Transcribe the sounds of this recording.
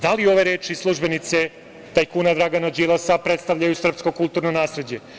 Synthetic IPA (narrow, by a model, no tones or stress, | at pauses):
d̪alio̞ʋeɾeːt͡ʃislˠuʒbe̞nit̪se | t̪ajkuːnad̪ɾaɡanad͡ʒilasapɾet̪st̪aʋʎajusr̩psko̞kulˠt̪uɾnonaːsɾed͡ʑe̞